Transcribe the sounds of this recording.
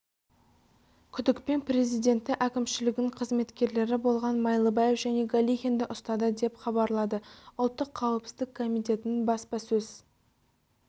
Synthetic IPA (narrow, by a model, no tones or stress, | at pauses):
kʲʰʏd̪ɪkpe̞npre̞zijd̪e̞nt̪ːɪʔækʲɪmʃɪlɪɡʲɪnɪɴqʰəzme̞t̪kʲe̞ɾle̞ɾɪbo̞lˠʁɑnmɑjlˠəbɑje̞fʒæne̞ɡalʲixʲend̪ɪʔʊst̪ɑd̪əd̪e̞pχɑbɑɾlˠɑd̪əʊlˠt̪ːəqʰːɑwəpsɪzd̪ɪkʰːo̞mijt̪ʲe̞t̪ɪnɪnbɑspɑsɵz̥